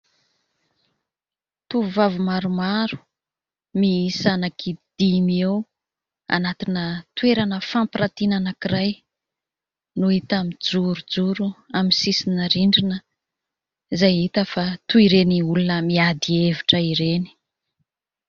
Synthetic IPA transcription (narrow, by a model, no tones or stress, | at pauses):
t̪uvavumaɾumaɾu̥ | miisanakʰid̪̥imiew | a̰nat̪inət̪weɾanəfampiɾat̪inanakiɾaj | nuit̪amid͡zuɾud͡zuɾuaminsisinəɾiɳɖ͡ʐinə | zajɦit̪əfat̪uiɾeniulunəmiad̪ieviʈ͡ʂəiɾeni̥